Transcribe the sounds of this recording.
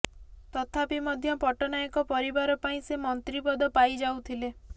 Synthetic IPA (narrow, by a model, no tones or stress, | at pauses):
t̪ɔt̪ʰapimɔd̪ʱjɔpɔʈɔnajɔkɔpɔɾibaɾɔpaĩsemɔnt̪ɾipɔd̪ɔpajd͡ʒawt̪ʰile